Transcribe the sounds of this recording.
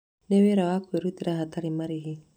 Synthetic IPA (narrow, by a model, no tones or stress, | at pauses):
neweɾawakweɾut̪iɾaɦat̪aɾimaɾiɦi